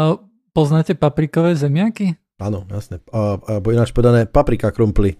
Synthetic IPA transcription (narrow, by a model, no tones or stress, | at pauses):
pɔznaːcɛpapɾikɔʋɛːzɛmɪaki | aːnɔjasnɛbɔliinat͡ʃpɔʋɛd̪anɛːpapɾikakɾumpli